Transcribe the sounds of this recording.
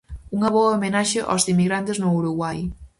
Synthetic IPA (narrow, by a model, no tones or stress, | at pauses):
uŋɐβɔɐomenaʃeʔa̰wzd̪imiɣɾant̪eznouɾuɣwaj